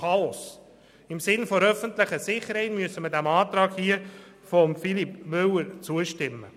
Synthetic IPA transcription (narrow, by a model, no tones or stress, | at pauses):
ɑɔs | ɪmsɪnfoɾœfənt̪ləχəsɪχəɾhɛɪtmyəsəmədæmɑːt̪ɾɑːɡhiə | fɔmfilipmʏwəɾt͡suəʃtɪmːə